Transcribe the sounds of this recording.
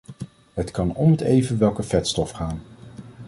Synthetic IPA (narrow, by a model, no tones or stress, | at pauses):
ɦətkɑnɔmətejvənʋɛlˠkəv̥ɛtstɔfχaːn